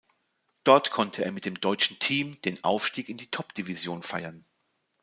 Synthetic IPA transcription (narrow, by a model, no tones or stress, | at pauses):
d̥ɔɐtkʰɔntʰəeːɐmɪtd̥eːmdɔʏt͡ʃn̩tʰiːmd̥eːnʔa̰ʊfʃtiːkɪndiːtʰɔpd̥ivizjoːnfa̰ɪɐn